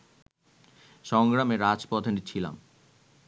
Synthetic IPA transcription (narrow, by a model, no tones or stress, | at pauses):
ʃɔŋɡɾameɾad͡ʑpɔd̪ʰʱenit͡ɕʰila̰m